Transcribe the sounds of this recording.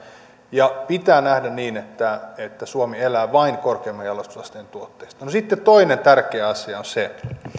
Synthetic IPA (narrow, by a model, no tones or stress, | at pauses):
jɑpit̪æːnæhdænniːnet̪ːæet̪ːæsuomielæːʋɑiŋkorkeːmːɑjɑlost̪u̥slɑst̪eːnt̪uot̪ːeist̪ɑnosit̪ːett̪oinent̪ærkeːɑsiɑonse